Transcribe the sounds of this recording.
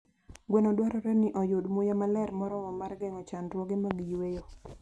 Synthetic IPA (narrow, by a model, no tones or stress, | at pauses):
ɡwenɔdwaɾɔɾɛnɪʔɔjʊdmʊjamalɛɾmɔɾɔwɔmarɡɛŋɔt͡ʃandwɔɡɪmaɡijwejo